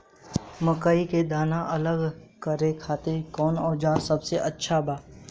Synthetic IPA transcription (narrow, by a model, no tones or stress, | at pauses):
məkəiked̪aːnãʔɐləɡkəɾekʰaːt̪ekɔːnɔːɾd͡ʒaːsɐbseʔɐtːʃʰabaː